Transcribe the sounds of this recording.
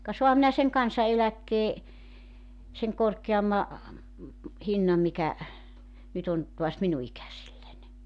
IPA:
kɑ soɑhɑm minæ seŋ kɑnsɑelækːeː seŋ korkeɑmːɑ hinːɑm mikæ nyt on tuɑs minu ikæsilːænʲ

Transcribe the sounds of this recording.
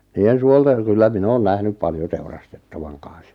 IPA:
niːen suolteŋ kylːæ min oːn næhnyp pɑljo teurɑstetːɑʋɑŋ kɑn̞s

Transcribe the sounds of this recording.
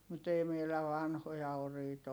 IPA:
mut ei meilæ ʋɑnhojɑ oriːt

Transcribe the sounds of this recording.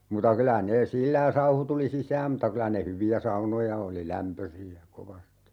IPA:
mutɑ kylæ neː silːæ jɑ sɑuhu tuli sisæːm m̩tɑ kylæ ne hyʋiæ sɑunojɑ oli læmpøsiæ koʋɑsti

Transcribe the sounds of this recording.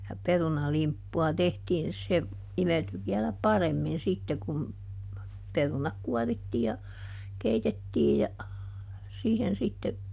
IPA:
jɑ perunɑlimpːuɑ tehtiːn se imelty ʋiɛlæ pɑremːin sitːe kun perunɑk kuɔritːiː jɑ keitetːiːj jɑ siːhen sitːe

